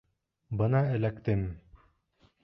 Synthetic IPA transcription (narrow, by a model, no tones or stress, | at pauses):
bɤnɑɘ̆lækt̪ɘm